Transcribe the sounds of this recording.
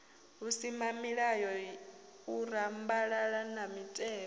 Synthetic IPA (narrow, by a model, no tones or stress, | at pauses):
ɦusimamiɺajɔ | uɾambaɺaɺanamitʼɛː